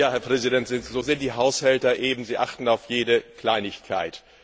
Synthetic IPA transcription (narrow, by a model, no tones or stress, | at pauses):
jaːhɛɐpʁ̥ɛzidɛntz̥ɪnzoːzɪntd̥iːɦaʊshɛltɐʔeːbm̩ziːʔaχtn̩aʊfjeːdəkl̥aɪnɪçkʰa̰ɪt